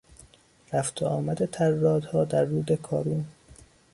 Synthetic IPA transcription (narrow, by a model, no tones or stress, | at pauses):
ɾæft̪ʰeʔɒːmæd̪e̞t̪ʰæɾːɒːd̪hɒːd̪æɾːuːd̪ekʰɒːɾuːn